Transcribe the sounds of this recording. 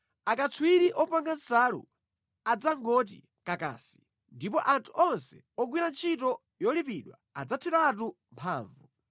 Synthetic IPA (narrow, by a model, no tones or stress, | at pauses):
akat͡sʰwiɾiʔɔpaŋɡansaːɾṵ | ad͡zaŋɡɔt̬ḭ | kaka̰ːsi̥ | ndipɔʔantʰuʔɔnsɛ̰ | ɔɡwinant͡ʃʰitɔ | jɔlipiɗwaa̰d͡zatʰɛtat̬u | mpʰa̰ːɱvu